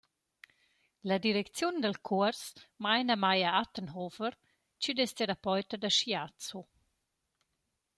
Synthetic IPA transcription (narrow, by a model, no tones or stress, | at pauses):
lad̪iɾɛkt͡sjund̪əlkʰuəɾsmajnamajaat̪ənɦɔvəɾ | t͡ʃyd̪est̪eɾapɔjt̪əd̪aʃjat͡su